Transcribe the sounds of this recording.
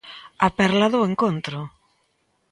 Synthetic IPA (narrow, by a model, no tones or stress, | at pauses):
apɛɾlaðʊeŋkont̪ɾʊ